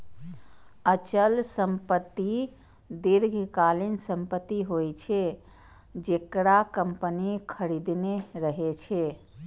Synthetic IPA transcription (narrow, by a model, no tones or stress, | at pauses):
ət͡ʃəlsəmpət̪ːi | d̪iɾɡʱkalinsəmpət̪ːiɦojt͡ʃʰɛ | d͡ʒekɾakəmpənikʰəɾid̪neɾəɦet͡ʃʰɛ